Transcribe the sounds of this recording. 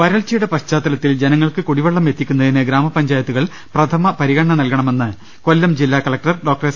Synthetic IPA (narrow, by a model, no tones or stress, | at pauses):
ʋɐɾɐɭt͡ɕːɐjuɽepɐɕt͡ɕaːt̪ːɐlɐt̪ːild͡ʑenɐŋːɐɭkɨkuɽiʋɐɭːɐmje̞t̪ːikʲːunːɐðinɨɡɾaːmɐpɐɲd͡ʑaːjɐt̪ːuɣɐɭ | prɐt̪ʰɐmɐpɐɾiɣɐɳɳɐnɐlkɐɳɐme̞nːɨ | ko̞lːɐmd͡ʑilːaːkɐlɐk̚ʈɐrɖo̞ːk̚ʈɐres